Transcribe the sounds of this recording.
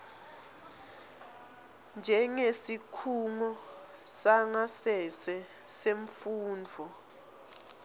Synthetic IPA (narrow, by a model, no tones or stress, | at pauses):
nd͡ʒʱɛŋesikʰuŋɔ | saŋasɛsɛseɱfuːnd͡vʱɔ